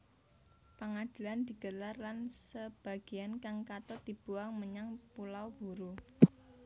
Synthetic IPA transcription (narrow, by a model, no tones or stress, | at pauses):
pəŋad̪̥i̤land̪̥i̤ɡ̥ə̤larlansəb̥a̤ɡ̥i̤ankaŋkat̪ɔd̪̥ib̥uaŋməɲaŋpulawb̥ṳɾu